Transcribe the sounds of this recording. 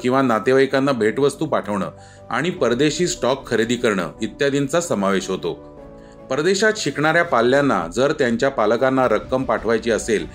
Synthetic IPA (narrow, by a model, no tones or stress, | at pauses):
kĩw̃ʋanat̪eʋajkanːabʱeʈʋəst̪uːpaʈʰəʋɳə̰ː | a̰ɽ̃ipəɾd̪eɕiːsʈɔkʰːəɾed̪iːkəɾɳə̰ːɡit̪ːjad̪int͡sasəmaʋeɕɦot̪o | pəɾd̪eɕat̪ɕikɳaɾjapalːjanːa̰d͡zəɾt̪jaɲt͡ɕjapaləkanːaɾəkːəmpaʈʰʋajt͡ɕiːəsel